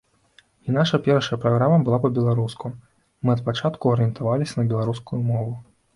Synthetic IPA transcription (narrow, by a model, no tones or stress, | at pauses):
inaʂɐpʲɛɾɐʂjɐpɾaɣɾamɐbɨlˠapɐbʲɛlˠaɾusku | mɨɐt̪̚pat͡ʂat̪kuɐɾɨjɛnt̪avalʲisʲɐnɐbʲɛlˠaɾuskujumɔvʊ